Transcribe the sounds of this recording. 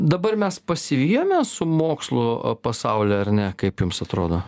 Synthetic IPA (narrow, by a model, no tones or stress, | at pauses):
d̪ɐbɐrmʲɛspɐsʲɪʋʲiːjoːmʲɛsʊmoːkslˠʊpɐsɐʊlʲɛɐrnʲɛkɐɪpjʊmsɐt̪ɾoːd̪oː